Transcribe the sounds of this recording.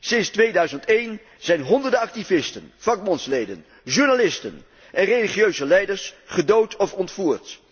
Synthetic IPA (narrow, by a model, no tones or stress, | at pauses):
sɪnstʋejdœɥzəntejn | z̥ɛjnɦɔndəɹdəɑk̚tivɪstənv̥ɑk̚mɑnslejdə̰n | ʒuɹnalɪstə̰n | ʔɛnrejliχijøɥzəlɛjdəɹsχədowtʰɔfɔntfuːɹt